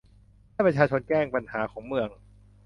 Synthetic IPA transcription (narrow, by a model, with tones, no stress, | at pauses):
aː˥˩pɾa˧t͡ɕʰaː˧t͡ɕʰo˧nkɛː˥˩ŋpa˧nhaː˩˦kʰɔː˩˦ŋmɯ˧əŋ